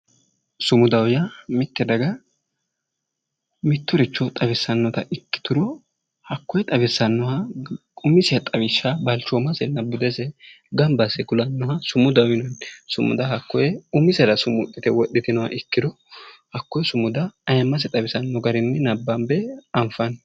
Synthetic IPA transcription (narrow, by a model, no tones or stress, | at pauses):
sʊmʊd̪ɐwjɐmɪt̪ːɛd̪ɐɡɐ | mɪt̪ːʊɾɪt͡ʃːɔt̪ʼɐbɛsːɐnːɔt̪ɐʔɪkːɪ̥t̪ʊɾɔ | hɐkːɔjɛt̪ʼɐbɛsːɐnːɔhɐ | ʊmɪsɪjɐt̪ʼɐβɪʃːabɐlt͡ʃomɐsɛnɐbːʊd̪ɛsɛ | ɡɐmbɐsɛɡʊlɐnːɔhɐsʊmʊd̪ɐwɪnɔnsʊmʊ̰d̪ɐɦɐkːɔjɛʊmɪsɛɾɐsʊmʊt̪ʼːɪt̪ɛwɔɗːɪt̪ɪnɔhɐ̰ʔɪkːɪd̪ɔ | hɐkːɔjɛsʊmʊd̪ɐɐjɐmːɐs̬ɛt̪ʼɐbɪsɐnːɔɡɐɾɪnːɛnɐbːɐmbɛɐmfɐn